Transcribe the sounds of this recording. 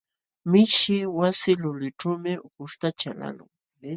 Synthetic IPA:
mɪʃɪwasɪlʊlɪʈ͡ʂuːmɪʊkʊʃt̪at͡ʃala̰lʊ̰ŋ

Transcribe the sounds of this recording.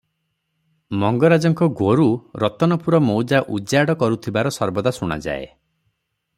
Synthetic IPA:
mɔŋɡɔɾad͡ʒɔŋkɔɡoɾuɾɔt̪ɔnɔpuɾɔmowd͡ʒaʔud͡ʒaɽɔkɔɾut̪ʰibaɾɔsɔɾbɔd̪asuɽ̃a̰d͡ʒa̰ḛ

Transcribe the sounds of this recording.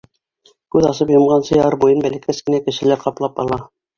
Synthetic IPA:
kʉðɑsɤpjŏmʁɑnsɤjɑɤɾbujɤnbælɘ̆kæskɘ̆nækɘ̆ʃɘ̆læɾqɑplˠɑpɑ̰lˠɑ

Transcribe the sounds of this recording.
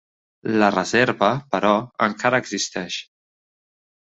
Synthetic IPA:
lərəzeɾβəpəɾɔə̰ŋkaɾəːɡzist̪ɛʃ

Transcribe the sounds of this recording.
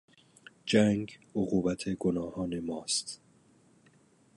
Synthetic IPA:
d͡ʒæŋɡoɣuːbæt̪ʰe̞ɡonɒːhɒːne̞mɒːst̪

